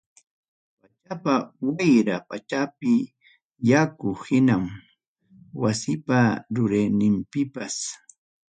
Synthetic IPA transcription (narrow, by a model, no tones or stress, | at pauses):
pat͡ʃapawajɾapat͡ʃapɪ | jakʊhɪnam | wasɪpaɾʊɾejnɪmpɪpas